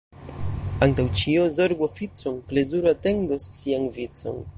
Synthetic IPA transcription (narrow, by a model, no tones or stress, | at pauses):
antawt͡ʃiozo̞ɾɡofit͡sonple̞zuɾoate̞ndosːianvit͡so̞̰n